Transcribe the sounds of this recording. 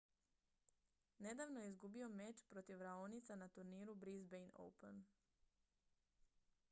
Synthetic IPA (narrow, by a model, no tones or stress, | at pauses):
ne̞d̪aːʋnojeizɡubio̞met͡ʃpɾo̞t̪iʋɾaonit̪sanat̪uɾniːɾubɾizbejno̰wpen